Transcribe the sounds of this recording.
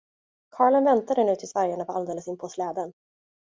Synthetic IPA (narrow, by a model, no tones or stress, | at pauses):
kʰɑːɭənvɛnt̪ad̪ənʉ̟ːt̪ʰɪlsvæɾjəɳapʰɔald̪eːləsɪnpʰɔslɛːd̪ən